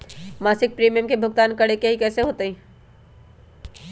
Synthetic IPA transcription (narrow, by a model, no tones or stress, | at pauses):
maːsɪk̚pɾiːmijəmkebʱʊɡt̪aːnkəɽekeɦikɛːseɦoːt̪ĩː